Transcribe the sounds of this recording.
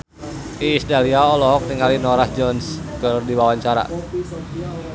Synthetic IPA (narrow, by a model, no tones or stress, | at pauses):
iːst̪aliaɔlɔɦɔk̚niŋalinɔɾasd͡ʒɔnskərdiwawaɲt͡ʃaɾa̰